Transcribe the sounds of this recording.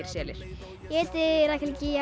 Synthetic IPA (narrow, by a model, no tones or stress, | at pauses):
ɪɾ̥sɛːlɪɾ̥ | jɛːt̪ɪɾahkʰlcija